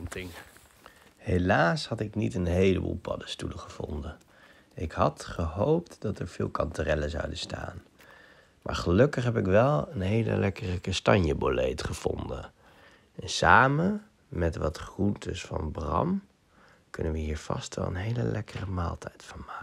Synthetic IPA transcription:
tɪŋ | helaːshɑtɪknitənɦejləbṵlˠpʰɑdəstuləχəv̥ɔ̰ndə | ɪkhɑtχəɦowptdɑtəɹv̥ɪːlˠkɑntyrɛləzɑ̰wdəsta̰ːn | mʔa̰ːɹχəlɵkəχɦɛpɪkʋɛlˠənɦejlə̰lɛkərəkɑstɑɲjəbolejtχəv̥ɔndə̰n | ɛnsaːmən | mɛtʋɑtχruntʰəsfɑnbrɑm | kɵnənʋəɦiːɹv̥ɑ̰stʋɛ̰lˠə̰nɦejlə̰lʔɛkərəmaːlˠtʰɛjtfɑnmaː

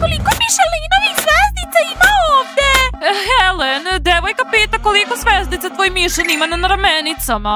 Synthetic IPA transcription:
kolˠikomiʃelinoixzveznit̪saimaovd̪exelend̪eʋojkapit̪akolikozʋeznit̪sat̪voːjmiʃɛnimananɾamenit̪sama

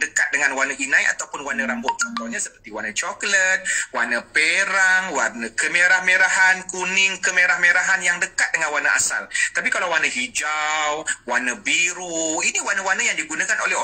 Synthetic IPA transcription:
dəkat̪̚dəŋanwanəinãja̰t̪awpʊnwanə̃ɾambɔʔ̚t͡ʃɔnt̪ɔhɲasəpərt̪iwanət͡ʃɔklət̪̚wanəpeɾaŋwarnəkəmeɾahmeɾahankunɪŋkəmeɾahmeɾaɦanjaŋdəkat̪̚dəŋanwanəʔa̰sa̰lt̪ap̬ikalawanəɦid͡ʒawwanəbiɾuiniwanəwanəjaŋdiɡunãkanolɛho

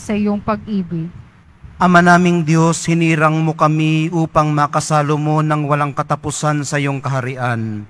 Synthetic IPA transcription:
sɐɪjoŋpɐɡ̚ʔiːbɪɡ | ʔɐmanaːmɪŋd̪joshɪniːɾɐŋmokɐmiʔuːpɐŋmakɐsaːlomo̞nɐŋwɐlaŋkɐt̪ɐpʊsansɐɪjoŋkɐɦɐɾɪʔan

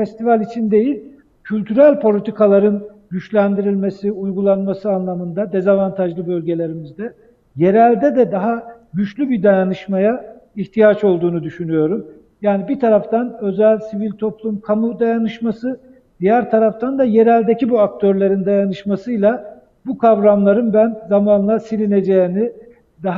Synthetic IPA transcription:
fɛst̪ivalʲit͡ʃʰind̪e̞jilʲ | cʰylʲt̪ʰyɾælʲpʰo̞lʲit̪ʰikalˠaɾɯn | ɟyt͡ʃlʲænd̪iɾilʲme̞siujɡulˠanmasɯanlˠamɯnd̪ad̪e̞zavant̪ʰaʒlˠɯbø̞lʲɟe̞lʲe̞ɾimizd̪ɛ | je̞ɾælʲd̪ɛd̪ɛd̪aɦa | ɟyt͡ʃlʲybid̪ajanɯʃmaja | içt̪ʰijat͡ʃo̞lˠd̪uːnud̪yʃynyjo̞ɾum | jaːnibit̪ʰaɾaft̪ʰanø̞zælʲsivilʲt̪ʰo̞plˠumkʰamud̪ajanɯʃmasɯ | d̪̥ijæɾt̪ʰaɾaft̪ʰand̪aje̞ɾælʲd̪ecibuak̚t̪ʰø̞ɾlʲe̞ɾind̪ajanɯʃmasɯjlˠa | bukʰavɾamlˠaɾɯnbænzamaːnlˠasilʲine̞d͡ʒeni | d̪aɦ

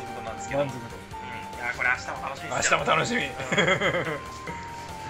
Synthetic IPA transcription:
ot̪onãnd̪esãnt̪kot̪õ | jakoɾeaɕi̥t̪amot̪anoɕaɕi̥t̪amot̪anoɕimʲi

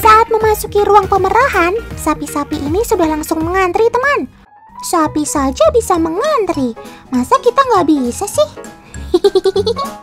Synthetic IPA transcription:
saʔat̪̚məmasukiɾuaŋpəməɾaɦansapisapiʔinisudahlaŋsʊŋməŋant̪ɾit̪əman | sapisad͡ʒabisaməŋant̪ɾimasakit̪aŋɡaʔbisasɪh

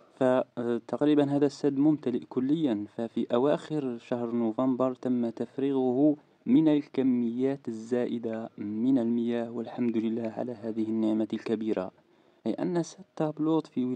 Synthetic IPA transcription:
fæt̪ɑqɾibənɦæd̪æsːæd̪mʊmt̪æləʔkʊlːəjːænfæfiʔæwaxəɾʃahɾˤnʊvɑmbɑɾˤt̪əmːat̪afɾiɣʊh | mənælkæmːəjːæt̪əzːæʔəd̪amənəlməjæːhwəlħamd̪ləlːæhʕa̰læɦæd̪əhənːəʕmalkæbiɾa̰ | ʔḭʔæ̰nːæsadt̪ːɑblud̪ˤfi

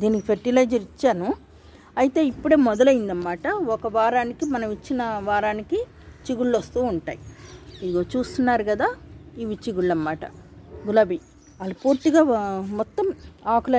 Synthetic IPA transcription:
d̪iːnikipʰeɾʈilɐjd͡ʒɐɾit͡ʃːaːnu | ɐjit̪e̞ːipːuɽe̞ːmɔd̪ɐlɐjind̪ɐmːaːʈɐɔkɐʋaːɾaːnikimɐnɐmit͡ʃːinɐʋaːɾaːniki | t͡ʃiɡuɭːɐst̪uːuɳʈa̰ːjiid̪ɡoːt͡ʃuːst̪unːaːɾuɡɐd̪aːiʋit͡ʃiɡuɭːɐmːaːʈɐ̰ɡulɐbi | ɐlɐpuːɾt̪iɡaːmɔt̪ːɐmaːkulɐ

